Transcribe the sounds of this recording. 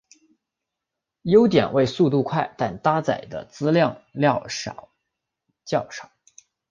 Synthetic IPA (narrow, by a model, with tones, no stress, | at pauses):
jo˥ʊt̪jɛ̰˨˩nwʔe˥˧ɪsu˥˧t̪u˥˧kʰwa˥˩ɪt̪a˥˩nt̪a˥t͡sa̰˨˩ɪd̪ə̰˦t͡sɹ̩˥ljɑ˥˧ŋljɑ˥˧ɑ̰˨˩ | t͡ɕjɑ˥˩ʊʂɑ˨˩˦ʊ